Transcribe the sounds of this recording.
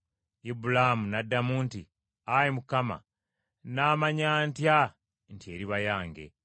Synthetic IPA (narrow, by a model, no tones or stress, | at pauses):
ibulamunadːamuːnti | ajemukama̰ | naːmaɲaːntja | ntie̞ːɾiβajaːŋɡe̞̰